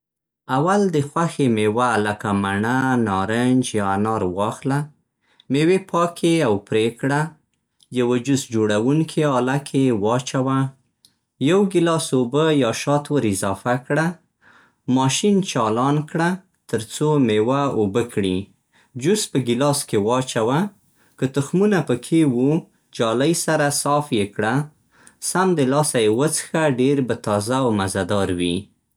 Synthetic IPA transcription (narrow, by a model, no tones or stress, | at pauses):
awald̪əxwaxemewaləkamaɳanɑɾənd͡ʒjɑanɑɾwɑxla | mewepʰɑkʰeawpɾekɽa | jawad͡ʒusd͡ʒoɽawuŋkʰeɑlakʰewɑt͡ʃawa | jawɡɪlɑsobəjɑʃɑt̪wəɾɪzɑfakɽa | mɑʃint͡ʃɑlɑnkɽa | t̪əɾt͡somewaobəkɽi | d͡ʒuspəɡɪlɑskewɑt͡ʃawa | kət̪ʊxmunapəkʰewu | d͡ʒɑlajsaɾasɑfjekɽa | samd̪əlɑsajewət͡sə̥xaɖeɾbat̪ɑzawmazad̪ɑɾwḭ